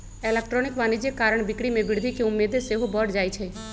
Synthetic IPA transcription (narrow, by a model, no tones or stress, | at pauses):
elek̚ʈɾoːnɪkʋanid͡ʒekːaːɾəɳ̃bɪkɽimẽbɪɽd̪ʱikiʊmːeːd̪eseɦobɔɖd͡ʒaːjt͡ʃʰe